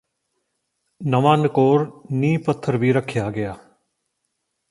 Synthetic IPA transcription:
nəʋaːnkoːɾnĩːpət̪ʰːəɾʋiːɾəkʰːjaːɡɪjaː

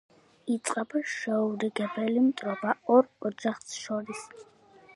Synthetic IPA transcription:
it̪sʼqʼɛbaʃɛuɾiɡɛbɛlimt̪ʼɾɔbaɔɾɔd͡ʒaχsʃɔɾis

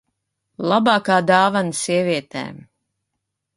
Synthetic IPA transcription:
lˠabɑːkaːd̪aːvansiɛviɛt̪ɛ̰ːm

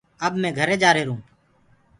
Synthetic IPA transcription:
əbmɛ̃ːɡʱəɾeːd͡ʒaːɾeːɾũː

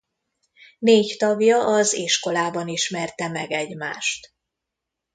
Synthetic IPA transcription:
neːct̪ɒɡjɒʔɒziʃko̞laːbɒniʃmɛrt̪ɛmɛɡɛɟmaːʃt̪

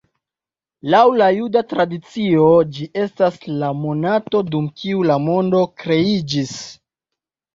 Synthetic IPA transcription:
lawlajudatɾadit͡sio̞d͡ʒiʔe̞staslamo̞nato̞dumkiulamo̞ndo̞kɾe̞id͡ʒis

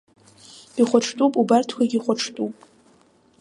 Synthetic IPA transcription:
iχʷaʈ͡ʂʰtʼupʼubartʰkʷʰaɡʲiχʷaʈ͡ʂʰtʼupʼ

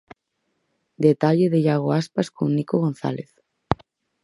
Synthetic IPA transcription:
d̪et̪aʎeðeʎaɣoaspaskõ̰ŋnikoɣonθa̰leθ

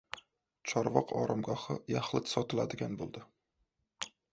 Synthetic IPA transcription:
t͡ʃʰɒɾvɒqʰɒ̰ɾamɡɒχɨjaχlɪt̪sɒt̪ʰɪlad̪ɪɡʲanbolˠd̪ɪ

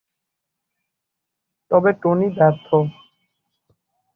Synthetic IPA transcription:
t̪ɔbeʈonib̪ɛɾt̪ʰo

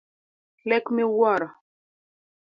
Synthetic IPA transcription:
lɛkmewɔɾa

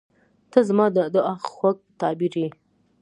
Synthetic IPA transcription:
t̪əzmɑd̪əd̪əaxxwak̚t̪ɑbiɾi

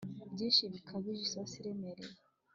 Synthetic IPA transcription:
bɟeʃiβikʰaβiʒisasiɾemeɾe

